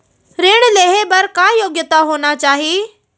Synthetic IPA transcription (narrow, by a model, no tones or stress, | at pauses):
ɾeːɽ̃leːɦebɐɾkãːjoːɡjət̪aɦoːnat͡ɕaːɦiː